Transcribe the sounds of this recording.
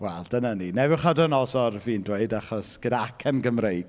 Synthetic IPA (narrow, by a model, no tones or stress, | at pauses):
wɛlˠd̥ənaninɛvɪwχadənɔsɔrviːndweɨdaχɔsɡ̥ədaakʰɛnɡəmrejd